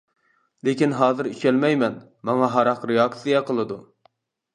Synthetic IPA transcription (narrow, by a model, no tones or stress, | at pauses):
lekʲinɦɑːzɨɾit͡ʃɛlmɛjmɛn | mɑŋɑɦɑɾɑqɾejɑk̚tsijɛqʰəlˠɨd̪u